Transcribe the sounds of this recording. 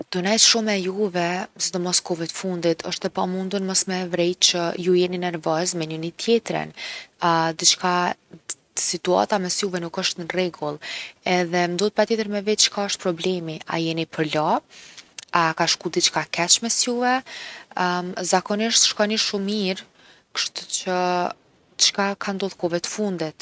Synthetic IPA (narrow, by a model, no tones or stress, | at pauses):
d̪̥ɔnɛjtʃumɛjuvɛzɛd̪ɔmɔskɔvit̪əfund̪it̪ʰəʃt̪ɛpamund̪unməsmɛvɾɛjt͡ʃəjujɛninɛɾvɔzmɛɲunit̪ʰjɛt̪ɾə̰n | d̪it͡ʃka | sit̪ua̰t̪amɛsjuvɛnukəʃt̪nərɛɡulˠɛðɛnd̪ɔt̪pɾat̪jɛt̪əɾmɛvɛt͡ʃkaəʃt̪pɾɔblɛmia̰jɛnipəɾlɔ | akaʃkud̪it͡ʃkakɛt͡ʃmɛsjuvɛ | zakɔniʃt̪ʃkɔniʃumiɾ | kə̥ʃt̪ut͡ʃə | ət͡ʃkakʰand̪ɔðkɔvɛt̪ə̥fund̪ɛt̪